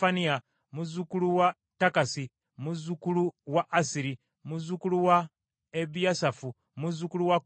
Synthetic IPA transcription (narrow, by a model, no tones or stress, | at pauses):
ania | muzukuluwa | takasi | muzukuluwaʔːsiɾi | muzukuluwa | eβijasafu | muzukuluwa